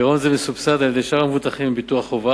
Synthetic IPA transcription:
eʁonzemesubsad̪aljed̪ejʃaʁamevut̪aχimebit̪uaχova

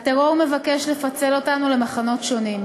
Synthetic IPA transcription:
ateʁo̞ʁme̞vake̞ʃlefat͡se̞lo̞tanule̞maχano̞tʃo̞nim

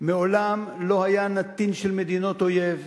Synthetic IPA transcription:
meo̞lamlo̞hajanat̪inʃelme̞d̪ino̞t̪o̞je̞v

